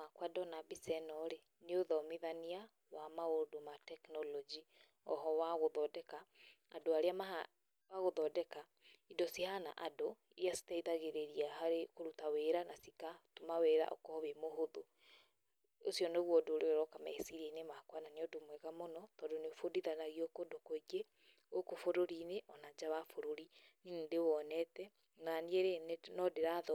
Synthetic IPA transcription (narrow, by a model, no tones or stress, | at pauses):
makwadɔnabisɛnɔɾe | neoðɔmeðania | wamaodomatɛknɔlɔd͡ʒi | ɔ̰ɦɔwaɣoðɔdɛkaː | doaɾeama | waɣoðɔdɛka | idɔsihana̰ʔado | iɾjasi̥taiðaɣeɾeɾiahaɾekoɾutaweɾanasikatumaweɾa̰ʔɔ̰kɔβemoɦoðo | osjɔnoɣwɔdoɾeoɾɔkama̰esiɾenemakwananeɔdomwɛɣamonɔtɔːdoneofodiðanaɣiokodokoeɡe | okofoɾoɾineʔɔnad͡ʒawafoɾoɾininendewɔnɛtɛ | nanieɾennɔdeɾaðɔ